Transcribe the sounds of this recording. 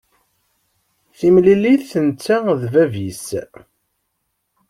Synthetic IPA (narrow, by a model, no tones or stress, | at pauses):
θimlilːiθθənt͡sːaðvævis